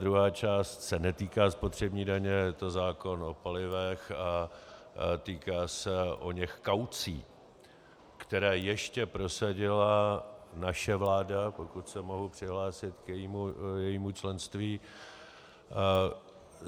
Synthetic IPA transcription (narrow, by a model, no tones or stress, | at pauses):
dɾuɦaːt͡ʃaːst̪sɛnɛt̪iːkaːspo̞t̪r̝̥ɛbɲiːdaɲɛjɛt̪o̞zaːko̞no̞palɪvɛxa | t̪iːkaːsɛʔoɲɛxkawt͡sḭː | kt̪ɛɾɛːjɛʃcɛpɾo̞saɟɪlanaʃɛvlaːdapo̞kut̪sɛmo̞ɦupr̝̥ɪɦlaːsɪt̪kjɛjiːmujɛjiːmut͡ʃlɛnst̪viː